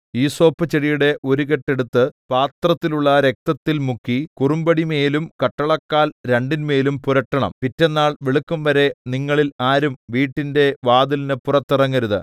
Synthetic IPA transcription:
iːso̞ːpːɐt͡ɕːeɽijuɽe̞ʔo̞ɾuɣeʈːe̞ɽut̪ːɨpaːt̪rɐt̪ːiluɭːɐɾe̞k̚t̪ɐt̪ːilmukːikurumbɐɽimeːlumkɐʈːɐɭɐkːaːlɾeɳɖinme̞ːlumpuɾɐʈːɐɳɐ̰mpitːenːaːɭʋeɭukːumʋɐɾe̞niŋːɐɭilaːɾumʋiːʈːinde̞ʋaːd̪ulinɨpurɐt̪ːirɐŋːɐɾuðɨ̰

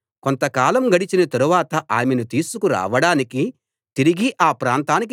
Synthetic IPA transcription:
ko̞nt̪ɐkaːlɐmɡɐɽit͡ʃinɐt̪ɐɾuʋaːt̪ɐʔaːmenut̪iːsukuɾa̰ːʋɐɽaːniki | t̪iɾiɡiʔaːpɾaːnt̪aːnik̬

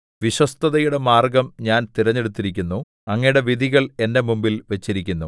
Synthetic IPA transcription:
ʋiɕwɐst̪ʰɐðɐjuɽe̞maːrɡɐmɲaːnt̪iɾɐɲːe̞ɽut̪ːiɾikʲːunːu | ɐŋːɐjɽe̞ʋid̪ʱiɣɐɭe̞nde̞mumbilʋet͡ɕːiɾikʲːunːu

